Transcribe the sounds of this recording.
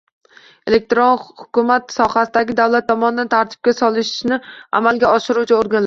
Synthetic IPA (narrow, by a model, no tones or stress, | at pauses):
elek̚ʲt̪ɾonhʊ̥kʲʊmat̪sɒhasɪd̪aɡʲɪd̪awlat̪ʰːɒmɒnɪd̪ant̪ʰaɾt̪ʰɪ̥b̚kʲasɒlˠɪʃʃnɪa̰malɡʲaɒʃɪɾut͡ʃʰaoɾɡʲanl